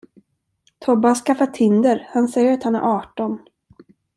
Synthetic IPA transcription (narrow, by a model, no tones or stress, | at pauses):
t̪ʰɔbːahaskafat̪ʰːɪnd̪əɾhansɛjːəɾat̪hanæ̰ɾʔɑːʈɔn